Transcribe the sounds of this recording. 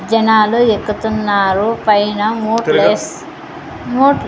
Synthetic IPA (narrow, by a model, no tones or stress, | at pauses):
d͡ʒɐnaːluekːut̪unːaːɾupɐjnɐmoːes | moːʈ